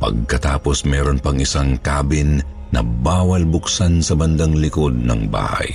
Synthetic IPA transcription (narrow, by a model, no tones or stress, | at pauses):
pɐ̰ɡ̚kɐt̪aːposmɛːɾo̞npɐŋɪsaŋkaːbɪnː | ɐ̰baːwɐlbʊksansɐbɐnd̪aŋlɪko̞d̪̚nɐ̰ŋba̰ːhɐ̰j